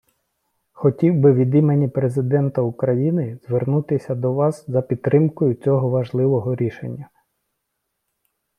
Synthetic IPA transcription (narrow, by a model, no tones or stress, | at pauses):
xɔtʲiwbɪʋʲid̪ime̞nʲipɾe̞zɪd̪ɛnt̪ɐʊkɾɐjinɪz̥ʋernut̪ɪsʲɐd̪ɔʋɑszɐpʲidt̪t̪ːɾɪmkɔjʊt͡sʲɔɦɔʋɐʒlˠɪʋɔɦɔɾʲiʃḛnʲːɐ